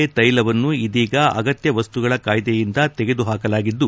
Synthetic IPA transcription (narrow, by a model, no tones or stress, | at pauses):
et̪ɐjlɐʋɐnːuid̪iːɡɐɐ̰ɡɐt̪jɐʋɐst̪uɡɐɭɐkaːjd̪ejind̪ɐt̪ɛɡe̞d̪uɦaːkɐlaːɡid̪ːu